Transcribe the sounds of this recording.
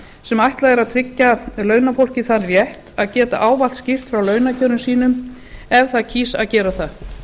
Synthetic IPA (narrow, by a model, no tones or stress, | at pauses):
sɛmajht̪laðɛɾaðt̪ʰɾɪcːalœːɥnafowl̥cɪθanvjɛht̪aðcɛːt̪a̰ʔaːwval̥t̪scɪr̥t̪fɾawlœːɥnacʰœːɾʏmsiːnʏm | ɛvθaðcʰiːsa̰ðcɛːɾaθa